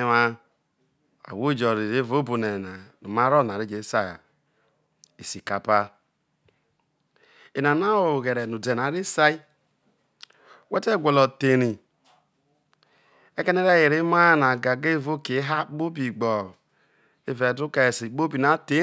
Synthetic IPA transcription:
ma˦ | a̰˨wo˦d͡ʒɔ˨ɾi˨ɾe˦vo˦bu˨ne˨na˨nu˨ma˦ɾo˦˨n˨a˨ɾi˦d͡ʒe˨˦sa˦˨a̰˨ | i˨si˨ka˨pa˦ | e˨na˨na˦wo˨ɣe˨ɾe˨nu˨de˨na˨˦ɾi˦sa˦i˦ | we˦te˦˨ɡʷe˨lɔ˨te˨ɾi˨ | e˦ke˦ne˦ɾe˦ji˨ɾi˦ma˦na˨ɡa˨ɡe˦vo˦ke˨˦ɦa˦k͡po˦bi˨ɡ͡bɔ˨ | e˦ve˨du˦ka˨si˨k͡po˦bi˨na˨te˦

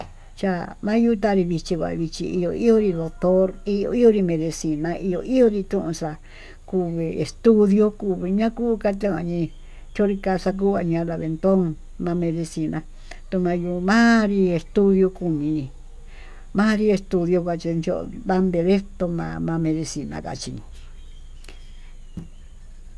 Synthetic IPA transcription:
t͡ʃa˧mã˦ju˦˧t̪a˦˧ɾi˧βi˧t͡ʃi˧kʷa̰˨βi˧t͡ʃḭ˧i˧jo˧˨i˦o˦ɾi˧ðo˨t̪o˦ɾi˦o̰˧i˦o˧ɾi˧mẽ˧ðe˧si˧nã˧ʔi˧jo̰˧ʔi˦o˦ɾi˧t̪ũ˦ʔũ˧ʂa˧ | ku˧βi˧e˨st̪u˦ðjo˧ku˧βi˧ɲã˦kuː˦ka˧t̪̬ẽ˦ã˧ɲĩ˧ | t͡ʃo˦ɾi˧ka˧sa˧k̬uː˦βa˧ɲã˧˦la˧βe˧nt̪o˦ŋ | mã˧mẽ˧ðe˧si˧nã˧ | t̪u˧mã˧ju˧mã˦ɾi˧e˧st̪u˦ðjo˧ku˧mĩ˧ | mãː˦ɾi˧e˧st̪u˧ðjo˧kʷa˧˨t͡ʃi˧nd͡ʒo˦ʔβa˦nd̪e˧le˦t̪o˧mã̰ː˧mã˧mẽ˧ðe˧si˧nã̰˧ka̰˨t͡ʃi˧ɲĩ˧

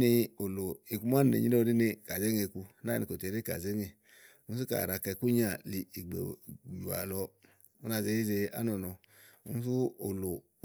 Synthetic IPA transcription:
ni˧o˨lo˨i˨ku˧˦m˦a˦n˨ḛ˨ɲi˦o˦˧ɾi˦ne˧ka˨ze˦ŋe˧ku˧˦na˦˨ni˨˧ko˨te˨ɾe˦ka̰˨ze˦ŋe˧ | u˦n˦s̬u˦ka̰˨ɾa˧kɛ˧˨ku˦ɲ˦a˨li˨i˨ɡ͡bḛ˨u˨a̰˨lɔ˧ | u˦na˧˨ze˧˦i˦ze˧a̰˦nɔ˨nɔ˧ | ṵ˦n˦s̬u˦o̰˨lo˨

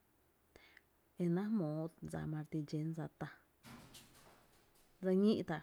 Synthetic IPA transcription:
e˧nã˦mõ˨˦d͡za̰˧˨mã˧ɾt̪i˧d͡ʒe˨˦nd͡za˧t̪a˧ | d͡za˧ɲĩ˦ʔt̪a˧˨

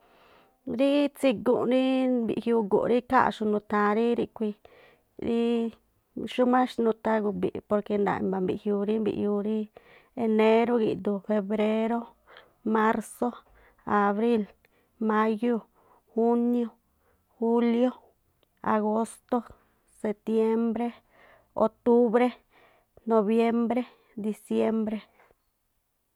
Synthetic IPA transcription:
ɾi˦t͡si˧ɡu˨ɾi˦bḭ˨ʔhju˧ɡṵ˨ɾi˦ka̰˦ʔʃu˧nũ˧t̪ã˧ɾi˦ɾi˧kʷi˧ | ɾi˦ | ʃu˦mã˦ʃnũ˧t̪a˧ɡu˧bḭ˨po˧ɾke˧nd̪a̰˧˨mba˨mbi˨ʔhju˧ɾi˦mbḭ˧ʔju˧ɾi˦ | e˧ne˧ɾo˦ɡi˨d̪u˧fe˧βɾe˦ɾo˦ | ma˦ɾso˦ | a˨βɾi˦l | mã˦jo˦ | xu˦njo˦ | xu˦ljo˦ | a̰˨ɣo˦st̪o˦ | se˧t̪je˦mbɾe˦ | o̰˧k̚t̪u˦βɾe˦ | no˧βje˦mbɾe˦ | d̪i˧sje˦mbɾe˧

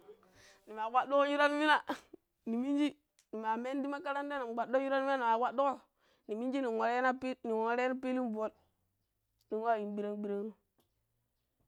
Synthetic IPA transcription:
ni˨ma˨wa˦do˦ɣo˦ju˦ɾa˦n˦mi˦na˦ | ni˨mi˦nd͡ʒi˦ | ni˨ma˨me˦ndi˦ma˦ka˦ɾa˦nde˦na˨m˨ɡ͡ba˨do˦ju˦ɾa˦n˦i˦na˦ni˨ma˨wa˦do˦ɣo˦ | ni˨mi˦nd͡ʒi˦ni˨o˨ɾe˦na˦pi˦ni˨wo˨ɾe˦na˦pi˦li˦mvo˦˨l | ni˨nwa˦˨ji˨mbi˦ɾe˦ŋ˦bi˦ɾe˦ŋnu˦

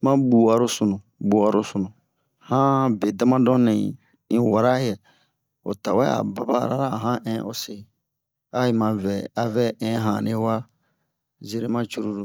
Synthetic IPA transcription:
mã˦bu˨wa˨ɾo˦su˨nũ˨ | bu˨a˨ɾo˦su˨nũ˨ | hã˦be˨da˦mã˦dɔ̃˦nĩ˨ | ĩ˦wa˨ɾa˦jɛ˨ | o̰˨ta˨wɛ˦a̰˨ba˨ba̰˦˨ɾa˦ɾa˦˨ɦã˦ʔɛ̃˦o˦se˨ | a˦i˨mã˨vɛ˨a˨vɛ˦ɛ̃˦ɦã˨ne˦wa˦ | ze˦ɾe˦mã˦t͡ʃu˦ɾu˦ɾu˨

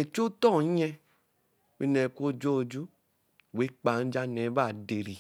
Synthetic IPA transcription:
ɛ˨˧t͡ʃo˦tɔ˦˨˦ɲɛ˧ | wi˧˦nɛ˧˨kʷo˦d͡ʒo˦˧d͡ʒu˦˨ | we˨˦k͡pa˨n̩˦d͡ʒa˦nɛ˨˦ba˦˨de˨ɾi˨

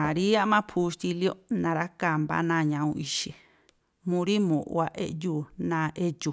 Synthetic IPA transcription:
ã˨ɾi˦a˦mã˦pʰu˧st̪i˧ljo˦nã˧ɾa˦ka˧mba̰˦nãː˦˧˨ɲã˧ũ˧ʔi˧ʃi˨ | mũ˧ɾi˦mũ˨ʔṵ˧a˧ʔe˧ʔjuː˦˨nã˧˦ʔe˦t͡ʃu˨

